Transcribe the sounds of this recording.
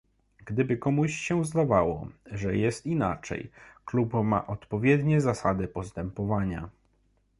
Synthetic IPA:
ɡd̪ɘbɘkɔmuɕɕɛzd̪avawɔ̰ʐɛjɛst̪ina̰t͡ʂɛ̰jklupma̰ʔɔt̪pɔvʲjɛd̪ɲɛzasad̪ɘpɔst̪ɛmpɔvaɲa̰

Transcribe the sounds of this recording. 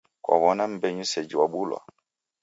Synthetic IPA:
kwa̰βɔnam̩bɛɲusɛd͡ʒiwaɓulwa̰

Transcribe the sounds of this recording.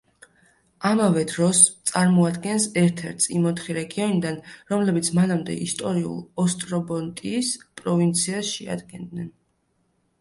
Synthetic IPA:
amavɛd̪ɾɔst̪sʼaɾmɔad̪ɡɛnsɛɾt̪ʰɛɾt̪ʰsḭmɔt̪ʰχiɾɛɡiɔnid̪anɾɔmlɛbit̪sʰmanamd̪ɛ̰ʔist̪ʼɔɾiṵlˠɔst̪ʼɾɔbɔnt̪ʼiːspʼɾɔvint̪sʰiasʃɛa̰d̪ɡɛnd̪nɛn

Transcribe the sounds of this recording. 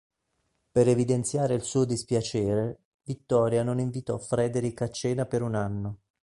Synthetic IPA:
peɾevid̪ent̪sjaːɾeilsuːod̪ispjat͡ʃɛːɾe | vit̪ːɔːɾjanoniɱvit̪ɔfɾɛːd̪eɾikːat͡ʃːɛːnapeɾunanːo

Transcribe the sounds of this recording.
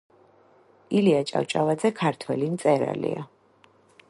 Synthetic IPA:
iliat͡ʃʼa̰wt͡ʃʼavad̪zɛkʰaɾt̪ʰwɛlint̪sʼɛɾa̰lḭa

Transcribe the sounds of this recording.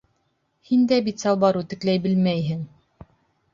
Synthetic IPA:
hind̪æbit̪sɑlˠbɑɾut̪ɘ̆klæjbɘ̆lmæjɦɘŋ

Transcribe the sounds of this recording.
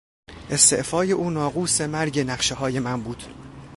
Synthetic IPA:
ʔe̞st̪e̞̰ʔfɒːje̞ʔuːnɒːɣuːse̞mæɾɟe̞næχʃe̞hɒːje̞mænbuːd̪̥

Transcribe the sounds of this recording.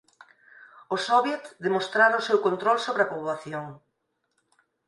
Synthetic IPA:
ʊsɔβjet̪ðemost̪ɾaɾʊʊsewkont̪ɾɔlsoβɾɪɐpoβaθjoŋ

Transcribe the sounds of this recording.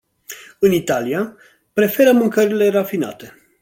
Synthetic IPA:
ɨnit̪alia | pɾe̞fe̞ɾəmɨŋkəɾile̞rafina̰t̪e̞

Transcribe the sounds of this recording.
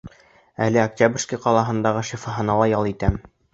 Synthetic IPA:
ælɘak̚tʲabrʲskijqɑlˠɑɦɤ̆nd̪ɑʁɤʃifɑɦɤ̆nɑlˠɑjɑlˠit̪æm

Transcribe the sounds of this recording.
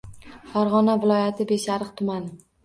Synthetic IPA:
faɾʁɒnavɪlˠɒjat̪ʰɪbe̞ʃaɾɨqt̪ʰʊmanɪ

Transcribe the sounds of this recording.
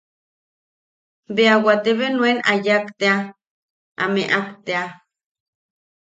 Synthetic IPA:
beawat̪eβenwenajakt̪ea | a̰meʔakt̪ea

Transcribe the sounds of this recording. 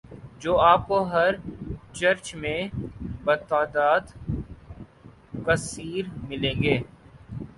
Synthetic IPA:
d͡ʒoːaːp̚koɦɐɾt͡ʃɐɾt͡ʃmẽbɐt̪aːd̪aːd̪ | kɐsiːɾmɪlẽːŋɡeː

